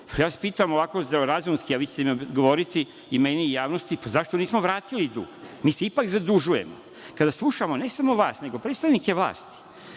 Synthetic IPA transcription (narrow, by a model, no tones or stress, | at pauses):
pʰajaːʋaspiːt̪amo̞ʋakozeɾazumskiaʋiːt͡ɕe̥t̪emiɡo̞ʋoɾit̪i | imenijaːʋnost̪ipazaʃt̪oniːsmoʋɾaːt̪ilid̪ṵːɡmiːseipakzad̪uʒujemo̰ | kad̪aslˠuʃamo̞ne̞samo̞ʋaːsne̞ɡo̞pɾet̪st̪aʋnikeʋlˠa̰ːst̪i̥